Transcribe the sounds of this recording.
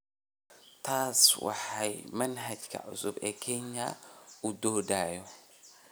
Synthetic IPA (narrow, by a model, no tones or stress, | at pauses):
t̪ʰaːswa̰ħajmɐnɦɐd͡ʒkʰɐ̰ʕʊ̰subekʰeɲːa̰ʊd̪oːd̪ajo